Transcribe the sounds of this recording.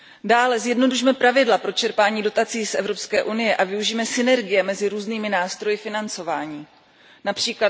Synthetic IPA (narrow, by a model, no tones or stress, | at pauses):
daːlɛzjɛdno̞duʃmɛpɾavɪdlapɾo̞t͡ʃɛɾpaːɲiːdo̞t̪at͡siːsʔɛ̰vɾo̞pskɛːʔunɪjɛʔavɪuʒiːmɛsɪnɛɾɡɪjɛmɛzɪɾuːzniːmɪnaːst̪ɾo̞jɪfɪnant͡sovaːɲiː | napr̝̥iːkla